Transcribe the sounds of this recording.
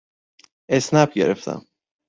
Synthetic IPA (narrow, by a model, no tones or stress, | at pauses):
esnæp̚ɟḛɾeft̪ʰæ̰m